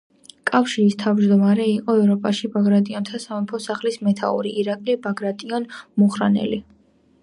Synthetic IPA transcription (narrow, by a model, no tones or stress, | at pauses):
kʼafʃiɾist̪ʰavd͡ʒd̪ɔmaɾɛiqʼɔɛvɾɔpʼaʃibaɡɾat̪ʼiɔnt̪ʰasamɛpʰɔsaχlismɛt̪ʰa̰ṵɾiːɾakʼlibaɡɾat̪ʼiɔnmuχɾanɛ̰li